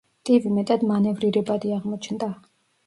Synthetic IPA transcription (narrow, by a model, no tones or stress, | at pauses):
t̪ʼivimɛt̪ʼad̪manɛvɾiɾɛbad̪iaʁmɔt͡ʃʰnd̪a